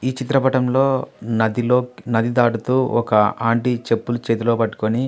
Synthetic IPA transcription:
iːt͡ʃit̪ɾɐpɐʈɐmloːnɐd̪iloːnɐd̪id̪aːɽut̪uːɔkɐaːɳʈit͡ʃe̞pːulut͡ʃeːt̪̬ulo̞ːpɐʈːu̥koni

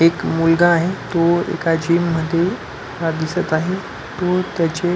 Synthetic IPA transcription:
ekmulɡaːɦet̪oḛkad͡ʑiːmːəd̪ʱːje | ad̪isət̪aɦe | t̪ot̪jat͡ɕe

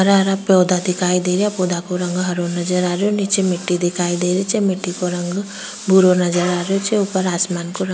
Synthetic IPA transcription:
ɦɐɾaɾapɔːd̪ad̪ɪkʰaːid̪eːɾiapod̪akoɾɐ̃ŋɡɦɐɾonɐd͡ʒəɾaːɾejonit͡ʃemɪʈːid̪ɪkʰaːid̪eːɾet͡ʃemeʈːikoɾɐ̃ŋɡ | bʱuɾonɐd͡ʒəɾaːɾeot͡ʃeʊpəɾaːsmaːnkoɾ

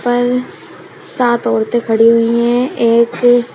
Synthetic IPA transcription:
pəɾ | saːt̪ɔːɾt̪ekʰɐɽiɦʊiɦɛ̃eːk

